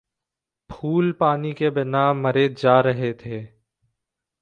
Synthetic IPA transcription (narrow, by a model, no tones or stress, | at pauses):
pʰuːlpaːnikebɪnaməɾeːd͡ʒaːɾəɦet̪ʰeː